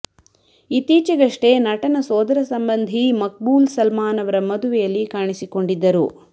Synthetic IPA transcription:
it̪ːiːt͡ʃɐɡɐʂʈenɐʈɐnɐsoːd̪ɐɾɐsɐmbɐnd̪ʱimɐk̚buːlsɐlmaːnɐʋɐɾɐmɐd̪uʋɛjɐlːikaːɳisiko̞ɳɖid̪ːɐɾu

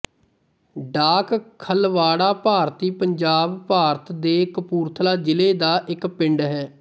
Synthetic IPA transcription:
ɖaːkkʰəlʋaːɽaːpaːɾt̪iːpəɲd͡ʒaːbpaːɾt̪d̪eːkəpuːɾt̪ʰlaːd͡ʒɪleːd̪aːʔɪkpɪ̃ɳɖɦɛː

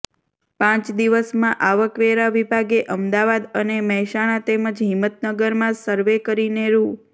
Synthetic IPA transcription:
pãt͡ʃd̪iʋəsmãʔaʋəkʋeɾaʋibʱaɡeʔəmd̪aʋad̪əneməɦɛʃaɽ̃at̪eməd͡ʒɦɪmːət̪nəɡəɾmãsəɾʋekəɾineɾu

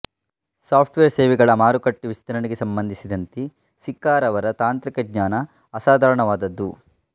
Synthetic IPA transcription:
saːpʰʈʋeːɾseːʋiɡɐɭɐmaːɾukɐʈːiʋist̪ɐɾɐniɡesɐmbɐnd̪ʱisid̪ɐnt̪i | sikːaːɾɐʋɐɾɐt̪aːnt̪ɾikɐɡɲaːnɐː | saːd̪ʱaːɾɐɳɐʋaːd̪ɐd̪ːu

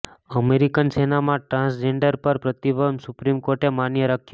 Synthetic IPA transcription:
əmeɾikənsenamãʈɾãsd͡ʒeɳɖəɾpəɾpɾət̪iʋəmsʊpɾimkoɾʈemanjəɾakʰjo

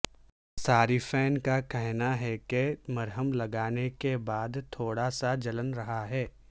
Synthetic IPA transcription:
saːɾifɛːnkakɛɦnaɦɛkemɐɾɦəmlɐɡaːnekebaːd̪t̪ʰoːɽasad͡ʒɐlənɾɐɦaɦɛː

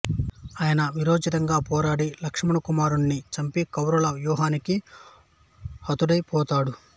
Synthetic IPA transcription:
aːjɐnɐʋiɾoːd͡ʒit̪ɐŋɡaːpɔːɾaːɽilɐkʂɐmɐɳɐkumaːɾuɳːit͡ʃɐmpikɐwɾɐlɐʋjuːɦaːniki | hɐt̪uɽɐjpɔːt̪aːɽu

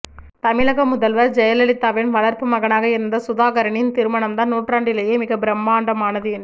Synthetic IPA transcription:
t̪ɐmɪlɐɣɐmʊðɐlʋɐɾd͡ʒɛjɐlɐlɪt̪ːaːʋɪnʋɐɭɐɾpɯmɐɣɐnaːɣɐɪɾɯnd̪ɐsʊðaːɣɐɾɐɳɪnt̪iɾɯmɐɳɐmd̪aːnuːʈraːɳɖɪlɐjeːmɪɣɐbɪɾɐmːaːɳɖɐmaːnɐðɯjɪn

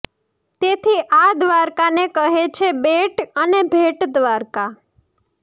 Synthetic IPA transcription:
t̪et̪ʰiʔad̪ʋaɾkanekəɦet͡ʃʰebeʈənebʱeʈd̪ʋaɾka

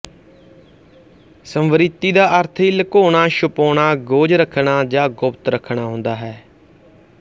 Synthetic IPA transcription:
səmʋəɾɪt̪ːiːd̪aːʔəɾt̪ʰiləkoːɳ̃aːʃʊpoːɽ̃aːɡoːd͡ʒɾəkʰːɳaːd͡ʒãːɡʊpt̪ɾəkʰɳ̃aːɦʊ̃nd̪aːɦɛː

